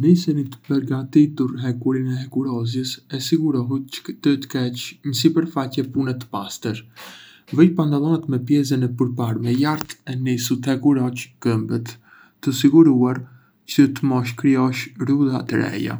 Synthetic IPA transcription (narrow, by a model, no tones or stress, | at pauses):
nisɛnit̪ə̥pəɾɡat̪it̪uɾɦɛkuɾinɛɦɛkuɾɔzjəsɛsiɡuɾɔɦut̪t̪ət̪ə̥kɛt͡ʃɲəs̬ipəɾfacɛpunɛt̪ə̥past̪əɾ | vəjpand̪alˠɔnɛt̪mɛpjɛs̬ɛnɛpəɾpaɾmɛjaɾt̪ɛnisut̪hɛkuɾɔt͡ʃkəmbət̪ː | əsiɡuɾuaɾ | cət̪əmɔʃ̬kɾiɔʃɾud̪at̪əɾɛ̰ja̰